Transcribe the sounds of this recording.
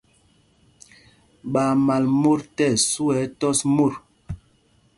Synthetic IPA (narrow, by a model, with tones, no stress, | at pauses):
ɓa˨ma˨lmo˦ɾtɛ˦˨su˦ɛ˨˦tɔ˦smo˦˨ɾ